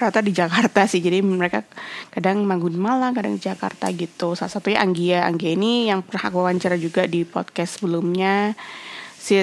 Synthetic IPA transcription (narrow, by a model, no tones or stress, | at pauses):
ɾat̪adid͡ʒakart̪asɪhd͡ʒadiməɾekakadaŋmaŋɡʊnmalakada̰ŋdid͡ʒaka̰rt̪a̰ɡit̪usalasat̪uɲaʔaŋɡiaaŋɡiainijaŋpənhakuawaɲt͡ʃaɾad͡ʒuɡadipɔ̰t̪̚kɛstːsəbəlʊmɲa | sɪ